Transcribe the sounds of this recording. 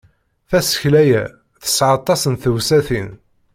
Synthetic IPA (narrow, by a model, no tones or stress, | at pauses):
θæsə̥çlæjæ | θə̥sʕɑt̪ˤːɑsənθəwsæθin